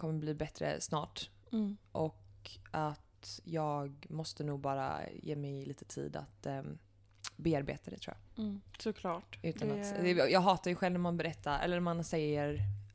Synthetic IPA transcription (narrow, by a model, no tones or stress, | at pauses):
kʰɔmːəbliːbɛt̪ɾə̰snɑːʈ | ʔɔkʔat̪jɑːɡmɔst̪ənuːɡ̚bɑːɾa̰jḛːmɛjliːt̪ə̥t̪ʰḭːd̪a̰t̪ | beːaɾbḛːt̪ʰad̪ɛ̰t̪ʰɾuːja̰sʊkʰlɑːʈʉ̟ːt̪ʰanat̪ɛjɑːɡɦɑːt̪aɾjɵɧɛlvnmanbɛɾɛt̪ʰːaɛ̰lːəmansɛjːəɾ